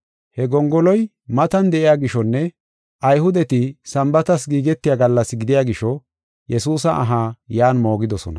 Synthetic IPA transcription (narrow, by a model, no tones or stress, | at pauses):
hɛɡɔŋɡɔlɔj | mɐt̪ɐnd̪ɛʔɪjaːɡɪʃɔnːɛ | ʔɐjhʊd̪ɛt̪ɪsɐmbɐt̪ɐsɡiːɡɛt̪ːɪjaːɡɐlːɐsɡɪd̪ɪjaːɡɪʃɔ | jɛsuːsɐʔɐɦaːjaːnmo̞ːɡɪd̪ɔsɔnɐ̰